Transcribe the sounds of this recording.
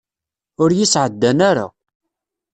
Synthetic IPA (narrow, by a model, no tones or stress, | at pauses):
ʊɾjɪsʕəd̪ːænaɾa̰